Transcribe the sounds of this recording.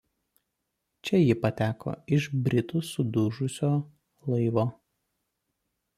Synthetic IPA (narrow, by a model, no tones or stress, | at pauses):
t͡ʃʲɛjɪpɐt̪ʲæːko̰ːɪʒbʲɾʲɪt̪usʊd̪ʊʒʊsʲoː | lˠɐɪʋoː